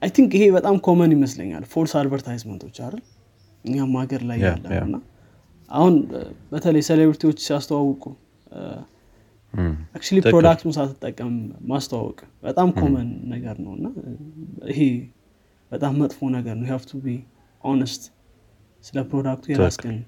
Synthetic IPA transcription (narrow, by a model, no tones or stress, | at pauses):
ʔajt̪ʰiŋkɨhe̞bət̪ʼamkʰo̞mənjɪməslə̰ɲːa̰lfoɾsad̪vəɾt̪ʰajzmənt̪ʰo̞t͡ʃːaɾɨl | ʔɨɲːamːaɡəɾlajːa̰lːə̰mɨnːa | ʔa̰hunbət̪ʰələjselebɾit̪ʰiwo̞t͡ʃːsiast̪ʰəwawɔkʼu | ak̚t͡ʃuliɾod̪akt̪ʰunsat̪ʰːɨt̪ʼːəkʼːəmːast̪ʰəwa̰wɔ̰kʼbət̪ʼamkʰo̞mənːəɡəɾnə̰wɨ̰nːa | ḭɦe | b̥ət̪ʼamːət̪ʼfo̞nəɡəɾnəwjhavt̪ʰubi | ʔonəst̪ | sɨləpɾo̞d̪ak̚t̪ʰujɛasɡʼənː